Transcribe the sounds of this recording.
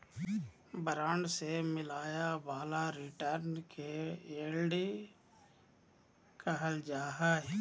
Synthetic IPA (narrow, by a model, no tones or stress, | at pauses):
bəɾaːɳɖsemɪlaːjabaːlaɾɪʈəɾnkʰeeːlɖ | kʰəɦəld͡ʒaːɦa